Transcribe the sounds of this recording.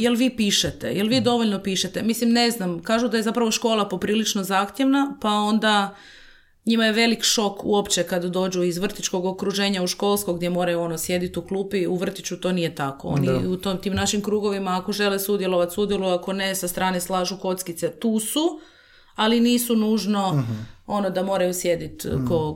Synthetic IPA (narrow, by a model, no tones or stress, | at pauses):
jelʋiːpiːʃet̪ḛjelʋiːd̪o̞ʋo̞ʎnopiːʃet̪emislimne̞znamkaːʒud̪aje̞zapɾaʋoʃko̞ːlˠapo̞pɾiːlit͡ʃno̞zaːxt̪ʲje̞ʋnapao̞nd̪a | ɲimajeʋe̞likʃo̞kṵopt͡ɕekad̪ad̪o̞ːd͡ʑuizʋr̩t̪it͡ʃko̞ɡokɾuʒe̞ːɲauʃko̞lˠskoɡd̪je̞mo̞ːɾajuo̞nosje̞d̪it̪uklˠuːpiuʋr̩t̪it͡ɕut̪o̞ːnijet̪ako̞̰o̰niut̪omt̪iːmnaʃimkɾuːɡo̞ʋimaːko̞ʒe̞lesud̪jelˠo̞ʋat̪sud̪je̞luako̞ne̞sast̪ɾaːneslaːʒuko̞t̪skit̪set̪uːsu | aliniːsunuːʒno̞o̞no̞d̪amo̞ːɾajusje̞d̪it̪ko